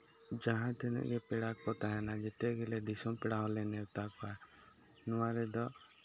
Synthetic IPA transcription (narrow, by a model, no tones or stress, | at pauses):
d͡ʒaɦãt̪ʰɛna̰ʔɡɛpɛɽakɔt̪aɦɛnad͡ʒɛt̪ɛɡɛlɛɖisɔpɛɽaɦɔlɛnɛɾt̪akɔa | nɔwaɾɛd̪ɔ